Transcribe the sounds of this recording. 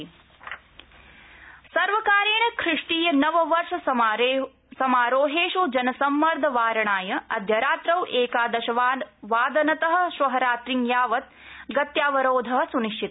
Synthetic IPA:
sɐɾʋɐkaːɾjeːɳɐkʰɾɪʂʈiːjɐnɐʋɐʋɐɾʂɐ | sɐmaːɾoːɦeːʃud͡ʒɐnɐsɐmːɐɾd̪ʱɐʋaːɾɐɳaːjɐɐ̰d̪ʱjɐɾaːt̪ɾɐʋʔeːkaːd̪ɐʃɐʋaʋaːd̪ɐnɐt̪ɐɦɐ̆ʃʋɐɦɐɾaːt̪ɾiŋjaːʋɐt̪̚ | ɡɐt̪jaːʋɐɾoːd̪ʱɐɦɐ̆suniʂʈʰit̪

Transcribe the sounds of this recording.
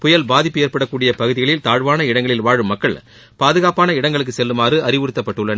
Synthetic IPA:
pʊjɐlbaːðɪpːɯjɛrpɐɽɐkːuːɽɪjɐpɐɣɯðɪɣɐɭɪlt̪aːɻʋaːnɐɪɽɐŋɡɐɭɪlʋaːɻɯmːɐkːɐɭ | paːðɯɣaːpaːnɐɪɽɐŋɡɐɭɯk̬ːɯsɛlːɯmaːrɯʔɐrɪʋɯɾɯt̪ːɐpːɐʈːɯɭːɐn

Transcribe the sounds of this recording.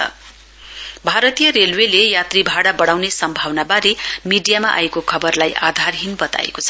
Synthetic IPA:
ʌ̰ | bʱaɾʌt̪ijʌɾelwelejat̪ribʱaɽabʌɽ̃awnesʌmbʱawnabaɾemiɖijamaʔa̰ekokʰʌbʌrlajad̪ʱarɦinbʌt̪a̰ḛko̥t͡sʰʌ

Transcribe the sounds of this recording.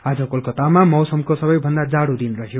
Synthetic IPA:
ad͡zʌkolkot̪amamʌwsʌmkosʌbʌjbʱʌnd̪ad͡zaɽud̪inrʌɦjo

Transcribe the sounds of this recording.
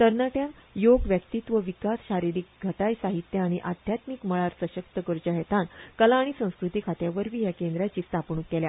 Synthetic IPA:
t̪əɾnaʈjãnjoɡʋjəkt̪it̪ʋəʋikasɕaɾiɾik̚ɡʱəʈajsaɦit̪jəaɽ̃iʔad̪ʱjat̪mikməɭaɾsəɕək̚t̪əkəɾd͡ʑaɦet̪ankəlaːɽ̃isə̃w̃skɾut̪ikʰat̪jaʋəɾʋiːɦjakẽnd̪ɾjat͡ɕiːst̪ʰapɳukːelja

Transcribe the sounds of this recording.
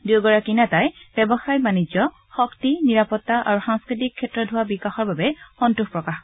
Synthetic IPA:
duwɡɔɹakinatajb̥ɛbɔxajbanid͡ʒɔ | xɔktiniɹapɔtːaʔa̰ɹuxaŋskɹit̬ikʰːɛtːɔdʱʊwabikaxɔɹbabɛxɔntuxpɹɔkax

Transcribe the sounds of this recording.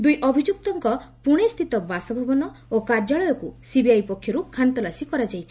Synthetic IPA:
d̪ujʔɔbʱid͡ʒuk̚t̪ɔŋkɔpuɽ̃est̪ʰit̪ɔbasɔbʱabɔnɔ | okaɾd͡ʒaɭɔjɔkusibiajpɔkʰːjɔɾukʰant̪ɔlasikɔɾad͡ʒajt͡ʃʰi̥

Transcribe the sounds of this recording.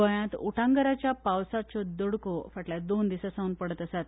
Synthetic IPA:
əjãt̪ṵʈʰaŋɡəɾat͡ɕjapawsat͡sɔd̪əɽkofəʈlad̪ond̪isasaunpəɽət̪əsat̪

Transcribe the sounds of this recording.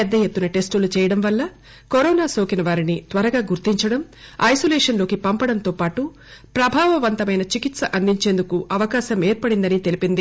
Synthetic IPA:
ɛd̪ːɐjet̪ːunɐʈe̞sʈulut͡ʃɛːjɐɽɐmʋɐlːɐ | koɾɔːnaːso̞ːkinɐʋaːɾinit̪ʋɐɾɐɡaːɡuɾt̪iɲt͡ʃɐɽɐm | ɐjsoleːʂɐnloːkipɐmpɐɽɐnt̪oːpaːʈu | pɾɐbʱaːʋɐʋɐnt̪ɐmɐjnɐt͡ʃikit̪sɐʔɐnd̪iɲt͡ʃe̞ːnd̪ukuɐʋɐkaːʃɐmeːɾpɐɽind̪ɐnit̪e̞lipind̪i

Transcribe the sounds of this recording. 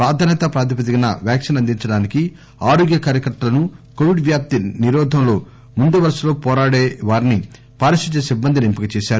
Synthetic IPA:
pɾaːd̪ʱɐːnɛt̪ɐpɾaːd̪ʰipɐt̪iɡɐnɐʋjaːkʂɐnɐnd̪iɲt͡ʃɐɽaːniki | aːɾoːɡjɐkaːɾjɐkɐʈːɐlɐnukoʋiɖʋjaːp̚t̪iniɾɔːd̪ʱɐmlo̞ː | mund̪uʋɐɾɐsɐlo̞ːpɔːɾaːɽeːʋaːɾini | paːɾɐʃiɲt͡ʃːesibːɐnd̪ʱilimpikɐt͡ʃɛːʃaːɾu

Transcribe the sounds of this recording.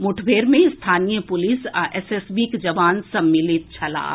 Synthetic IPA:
mʊʈʰbeːɾmẽɪst̪ʰaːnijəpʊlɪsaʔɛsesbikd͡ʒɐʋaːnsɐmːɪlɪt̪̚t͡ʃʰɐla̰ː

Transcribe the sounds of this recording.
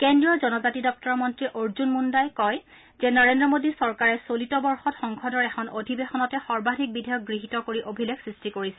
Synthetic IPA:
kendɹiɔzɔnɔzatidɔk̚tɔɹmɔntɹiʔoɹzunmundajkɔj | zɛnɔɹendɹɔmodisɔɹkaɹɛsolitɔbɔɹxɔtxɔŋkʰɔdɔɹɛxʰɔnodʱibexɔnɔtɛxɔɹbadʱik̚bidʱajɔk̚ɡɹiɦitɔkoɹiʔobʱileksɹistikoɹisɛ̥

